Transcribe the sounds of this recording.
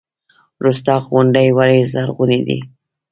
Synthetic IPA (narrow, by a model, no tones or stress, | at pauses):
ɾust̪ɑɣɣʊnɖajwaɾezaɾɣuned̪ḭ